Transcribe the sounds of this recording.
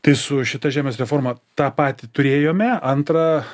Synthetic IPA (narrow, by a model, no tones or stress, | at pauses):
t̪ɐɪsʊʃʲɪt̪ɐʒʲæːmʲeːsɾʲɛfoːɾmɐt̪ɑːpɑːt̪ʲɪt̪ʊɾʲeːjoːmʲɛɐnt̪ɾɐ